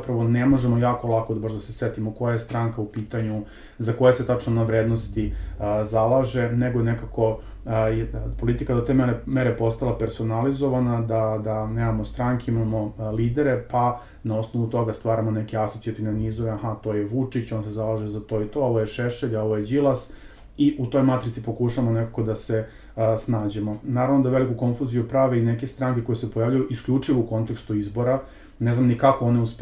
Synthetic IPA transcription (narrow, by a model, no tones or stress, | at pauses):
apɾaʋonemo̞ʒemojaːko̞lˠakod̪baʒd̪asesʋet̪imoko̞jaest̪ɾaŋkaupiːt̪aɲu | zako̞jese̞t̪at͡ʂnonaʋɾed̪nost̪izalˠaʒe̞neɡojenekako̞ | jpo̞lit̪ikad̪o̞t̪e̞ːmeɾemeɾepo̞st̪alˠapeɾso̞nalizo̞ʋanad̪ad̪aneːmamost̪ɾaŋkeimamo̞liːd̪eɾe̞pa | nao̞sno̞ʋut̪o̞ɡast̪ʋaːɾamo̞ne̞keasot̪sʲjat̪ineniːzoʋeahat̪o̞jeʋut͡ʂit͡ɕonsezalaʒezat̪o̞it̪o̞oʋojeʃeʃeʎo̞ʋojed͡ʑilˠas | iʔut̪o̞jmat̪ɾit̪sipo̞kuʃaʋamo̞nekakod̪ase̞ | snaːd͡ʑemonaːɾaʋno̞d̪aʋe̞likuko̞nfuzijupɾaʋe̞inekest̪ɾaːŋkeko̞jesepojaːʋʎʲujuʔiskʎʲuːt͡ʂiʋouko̞nt̪e̞kst̪uizbo̞ɾa | ne̞znamnikakooneusp